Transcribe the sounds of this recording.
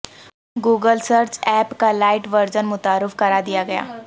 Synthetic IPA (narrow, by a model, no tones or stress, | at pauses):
ɡuːɡəlsəɾt͡ʃɛːpkalaːɪʈʋəɾd͡ʒənmʊt̪aːɾɪfkɐɾaːd̪ɪjaɡɐja̰ː